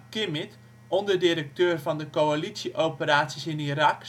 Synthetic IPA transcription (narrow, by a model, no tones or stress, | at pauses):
kɪmɪt | ɔndədɪɾək̚tøːrvɑndəkoalitsiʔowpəɾaːtsisɪniɾɑk